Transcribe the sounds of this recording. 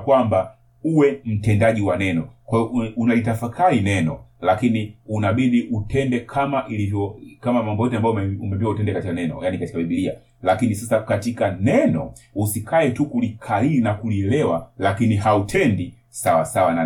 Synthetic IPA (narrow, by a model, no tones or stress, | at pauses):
kwamba | uwɛm̩tɛndaʄiwanɛnɔkwaunalitafakʰaɾinɛnɔlakiniunaɓiɗiʔutʰɛndɛkʰamaʔilivjɔkamamɔmbɔjɔtɛambajɔmɛumɛmbiwautɛndɛkatikanɛnɔ̰janikati̥kaɓiɓilia̰ | lakinisasakatikanɛnɔ | usikʰaɛtukulikʰailinakuliɛlɛwalakinihautʰɛndi | sawasawana